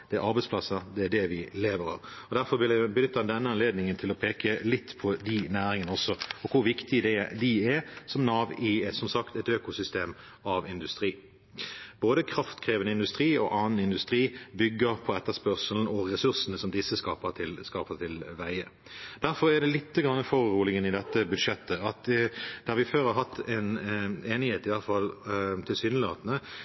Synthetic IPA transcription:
d̪̥ɛæʔɑɾbɛɪsplɑsəd̪ɛæɖ̪ɛʋɪleːʋəɾɑ̰ | ɔd̪æɾfɔbɪlæbənʏt̪ːɑnd̪ɛnːəɑnleːd̪nɪŋənt̪ʰɪlɔpʰeːkəlɪt̪ːpʰɔd̪ɪnæːɾɪŋənəɔsːɔɔkʰʊɾʋɪkt̪ɪəd̪ɛd̪ɛsɔmnɑːʋɪsɔmsɑkt̪ɛt̪øːkʊsʏst̪eːm | ɑʋɪnd̪ʉst̪ɾiː | boːd̪əkʰɾɑft̪kʰʁeːʋənəɪnd̪ʉst̪ʁiːɔ̰ʔɑːnn̩ɪnd̪ʉst̪ɾiːbʏɡːəɾpʰɔɛt̪ːəspœʁsəln̩ɔʁɛsʉʁsənəsɔmd̪ɪsːəskɑːpət̪ʰɪlskɑːpət̪ʰɪlʋæɪə | d̪̥æɾfɔɾæd̪ɛlɪt̪ːəɡʁɑnːəfoːɾɾuːlɪɡənɪd̪ɛt̪ːəbʉd̪ʂɛt̪ːəɑt̪d̪̥ɛhɑɾʋɪføːɾhɑɾɦɑt̪ʰːɛneːnɪheːt̪ɪʋɑlfɑlːt̪ʰɪlsyːnəlɪoːt̪nə

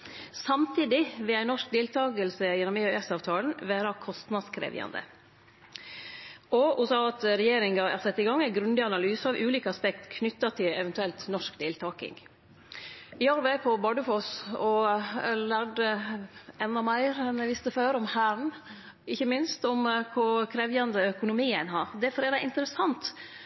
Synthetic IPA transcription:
sɑmt̪ʰiːd̪ɪʋɪlæɪnɔʂk̚d̪eːlt̪ʰɑːɡəlsəjɛnːɔmeœːɛsɑːʋt̪ʰɑːln̩ʋæːɾɑkʰɔst̪nɑd̪skʰɾḛːʋɪ̰ɑ̰nd̪ə̰ | ɔʊsɑːɑt̪ɾɛjeːɾɪŋɡɑæ̰ɾsɛt̪ːɪɡɑŋːæɪɡɾʉnd̪ɪɑnɑlyːsəɑʋʔʉːliːkəɑspɛkt̪kʰnʏt̪ːɑt̪ʰɪlɛʋɛnt̪ʉɛlt̪nɔʂkd̪eːlt̪ʰɑːkɪ̰ŋ | ɪɑɾbæɪpʰɔbɑɖəfɔsɔ | læːɖə | ɛnːɑmæɪɾɛnɛʋɪst̪əføːɾɔmhæːɾɳ̩ | ɪçːəmɪnst̪ɔmkʰʊɾkʰɾeʋjɑnd̪əœkʊnʊmiːæɪnɦɑːɾd̪ɛfɔɾeːɾɑɪnt̪əɾəsɑnt̪

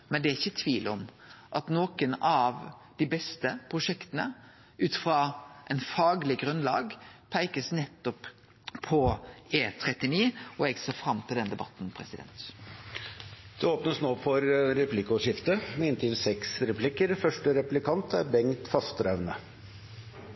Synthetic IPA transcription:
mɛnd̪ɛæɾɪçːət̪ʰʋiːlɔm | ʔɑt̪noːkənɑʋd̪̥ɪbɛst̪əpʰɾʊʂɛkt̪ənə̰ | ʔʉːt̪fɾɑʔɛɪnfɑːɡlɪɡɾʉnlɑ̰ːɡpʰæɪkəsnɛt̪ːɔp | pʰːɔeːt̪ʰɾɛt̪ːɪniːɔɛɡseːfɾɑmt̪ʰɪld̪ɛnd̪ɛbɑ̰t̪npʰɾɛsɪd̪ɛ̰nt̪ | d̪̥ɛoːpnəsnoːfɔɾɾɛpʰlɪkʊʂɪft̪əmɛɪnt̪ʰɪlsɛksɾɛpʰlɪkəɾfœʂʈəɾɛplɪkʰɑnt̪ʰæɾbɛŋt̪fɑst̪ɾœʋnə

